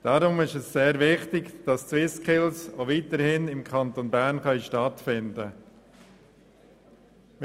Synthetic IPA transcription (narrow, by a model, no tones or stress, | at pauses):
d̥ɑɾʊmɪʃɛsːeːɾvɪχtɪɡd̥ɑst͡swɪskχɪlsoviːtəɾhɪnɪmkʰɑnt̪onbæɾnχœʏʃtɑtfɪndə